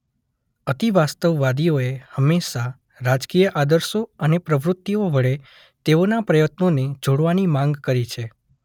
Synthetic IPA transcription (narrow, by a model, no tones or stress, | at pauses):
ət̪iʋast̪əʋːad̪ijoehəmːeʃa | ɾad͡ʒkijəʔad̪əɾʃoənepɾəʋɾʊt̪ːioʋəɭe | t̪eonapɾəjət̪noned͡ʒoɽʋanimãŋɡkəɾit͡ʃʰe